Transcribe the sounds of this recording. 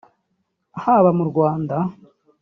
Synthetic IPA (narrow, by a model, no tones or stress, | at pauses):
haβamuɾɡwaːnda